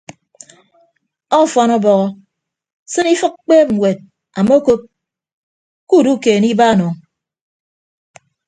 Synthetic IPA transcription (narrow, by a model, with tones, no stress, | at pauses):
ɔ˦˨fɔ˦nɔ˦bɔ˨ɣɔ˦ | sɨ˦ni˦fɨ˦k̚k͡peː˦p̚ŋ̩˨ŋwe˨t̚ | a˨mo˦ko˦p̚ | ku˦˨du˦keː˨ni˦ba˦˨nɔ˨ŋ